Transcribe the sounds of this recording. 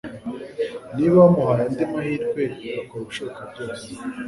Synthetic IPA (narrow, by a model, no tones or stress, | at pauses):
niβamuɦaɾandimahiːɾɡweβakoɾuʃokabɟoːse̥